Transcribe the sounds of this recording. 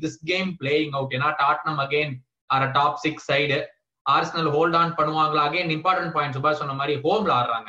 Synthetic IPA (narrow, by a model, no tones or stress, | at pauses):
d̪ɪsɡeːmpleːjɪ̃ŋɡoːk̬eːnːaːʈaːʈnɐmɐɡeːn | ɐɾɐʈaːpsɪksɐɪɖ | aːɾsɐnɐlɦoːlɖaːnpɐɳːɯʋaːŋɡɐɭaɐɡeːnɪmpaːɾʈɐ̃ɳʈ̚paːjɪɳʈs̬ʊbaːɾsɔnːɐmaːd̪ɾiɦoːmlaːɾɾã̰ːŋɡɐ